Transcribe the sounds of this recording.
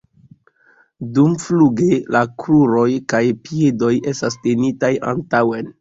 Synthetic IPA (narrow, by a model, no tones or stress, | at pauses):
dumfluɡelakɾuɾo̞jkajpiedo̞je̞stastenitaja̰ntawe̞n